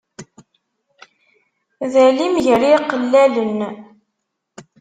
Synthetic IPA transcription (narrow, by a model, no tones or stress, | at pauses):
ðælimʝəɾiqəlːælən